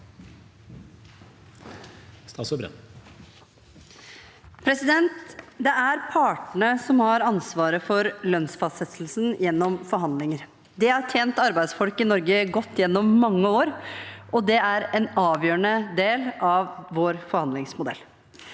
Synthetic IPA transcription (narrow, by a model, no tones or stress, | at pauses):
st̪ɑsɔbɾɛ̰ | pʰɾɛsɪd̪ɛnt̪d̪ɛʔæɾpʰɑːʈɳəsɔmhɑɾɑnsʋɑːɾəfɔɾlœnsfɑst̪sɛt̪ʰl̩snjɛnːɔmfɔɾɦɑnd̪lɪŋəɾ | d̪ɛɑʈʰjeːnt̪ɑɾbæɪd̪sfɔlkɪnɔɾɡəɡɔt̪ːjɛnːɔmːɑŋːəoːɾɔd̪ɛæɾɛnɑːʋjøːəɳəd̪eːlɑʋʋoːɾfɔɾhɑnd̪lɪŋsmʊd̪ɛ̰l